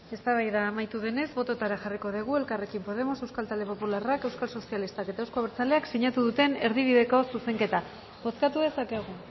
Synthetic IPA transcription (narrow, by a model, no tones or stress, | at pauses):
e̞st̪aβajðaːmajt̪uðe̞ne̞zbo̞t̪o̞t̪aɾaxariko̞ð̞iɣ̞ue̞lkare̞kimpo̞ð̞e̞mo̞se̞wskalt̪ald̪e̞po̞pularake̞wskalso̞sialist̪ake̞t̪aewskoaβeɾt͡saleaksiɲat̪uðut̪e̞ne̞ɾðiβ̞iðe̞ko̞suse̞ŋke̞t̪a | βo̞skat̪uðe̞sakeɣ̞u